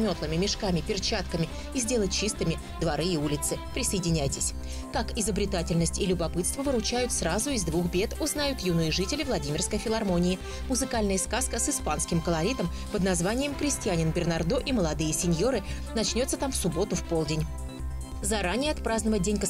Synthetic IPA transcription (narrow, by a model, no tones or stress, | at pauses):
mʲo̞t̪lˠəmʲɪmʲɪʂkamʲɪpʲɪrt͡ɕat̪kəmʲɪ | izʲdʲe̞lˠət̚ʲt͡ɕist̪ɨmʲɪ | d̪vɐɾɨɪulʲɪt̪sɨpɾʲɪsəjɪdʲɪnʲæjtʲɪsʲ | kakɪzəbɾʲɪt̪atʲɪlʲnəsʲtʲɪlʲʊbɐpɨt̪st̪vəvɨɾʊt͡ɕæjʊt̪srazʊɪzd̪vuxbʲe̞t̪ʊznajʊt̪junɨjəʐɨtʲɪlʲɪvlˠɐdʲimʲɪrskəjfʲɪlˠɐrmo̞nʲɪɪ | mʊzɨkalʲnəjəskaskəsɨspanskʲɪmkəlˠɐɾʲit̪əm | pəd̪nɐzvanʲɪjɪmkɾʲɪsʲtʲɪjanʲɪnbʲɪrnɐrd̪oʔiməlˠɐd̪ɨjəsʲɪnʲjo̞ɾɨ | nɐt͡ɕnʲo̞t̪sət̪amfsʊbo̞t̪ʊfpo̞lˠdʲɪnʲ | zɐɾanʲɪjəɐt̪pɾaznəvət̚ʲdʲenʲkə